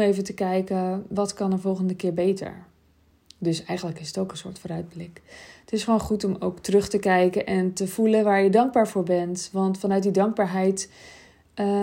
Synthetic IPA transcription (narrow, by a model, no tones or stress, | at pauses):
ejvəntəkɛjkəʋɑtkɑnəvɔlˠχəndəkɪːɹbejtə̰ɹ | dɵsɛjχənləkɪsətowkə̃nsʊ̰ːɹtfoːɾœɥd̚blɪkətɪsχəʋonχutɔmowktrɵχtəkɛjkənʔɛntəvulənʋaːɹjədɑŋɡ̚baːɹvʊːɹbɛntʋɑntfɑnœɥt̚didɑŋɡ̚baːɹɦɛjt | ə